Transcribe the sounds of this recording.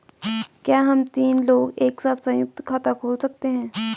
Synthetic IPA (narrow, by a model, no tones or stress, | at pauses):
kjaːɦɐmt̪iːnloːɡeːksaːt̪ʰsɐ̃jʊk̚t̪kʰaːt̪akʰoːlsɐk̚t̪eɦɛ̃ː